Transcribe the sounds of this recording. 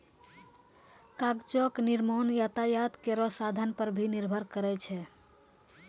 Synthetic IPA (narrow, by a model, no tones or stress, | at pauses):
kaɡt͡ʃɔkniɾmonjat̪ajat̪keɾɔsad̪ʱənpəɾbʱiniɾbʱəɾkəɾɛt͡ʃʰɛ